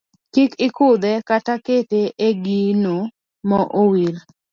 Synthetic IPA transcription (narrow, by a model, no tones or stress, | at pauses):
kikɪkʊd̪ɛkataketeʔeɡino | mɔʔowil